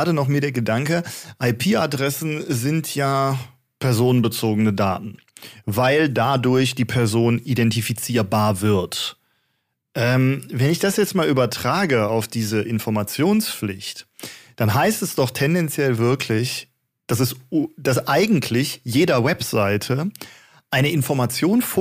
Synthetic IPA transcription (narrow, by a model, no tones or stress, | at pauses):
ɾənɔχmiːɐɾeːɐɡədaŋkəʔaɪpʰiːadʁɛsn̩zɪntʰjaː | pʰɛɐzoːnənbət͡soːɡənəda̰ːtn̩ | vaɪldadʊɐçd̥iːpʰɛɐzoːnʔidɛntifit͡siːɐbaːɐvɪɐt | ʔɛːmvɛnɪçd̥asjɛt͡stmaːlyːbɐtʁ̥aːɡəaʊfd̥iːzəʔɪnfɔɐmat͡sjoːnsflɪçtd̥anɦaɪstɛsd̥ɔχtʰɛndɛnt͡sjɛlvɪɐkʰlɪç | d̥as̬ɛsd̥asʔaɪɡŋ̩tʰlɪçjeːdɐwɛpz̥aɪtʰə | ʔaɪnəʔɪnfɔɐmat͡sjoːnf